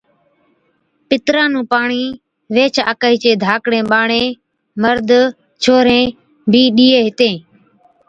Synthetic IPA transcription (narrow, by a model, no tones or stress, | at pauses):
pɪt̪ɾãːnũːpaːɳiː | ʋeːt͡ʃʰa̰ːkaːiːt͡ʃeːd̪ʱaːkɽẽːɓaːɳẽː | məɾd̪ | t͡ʃʰoːɾẽː | biːɗiːeːɦɪt̪ẽː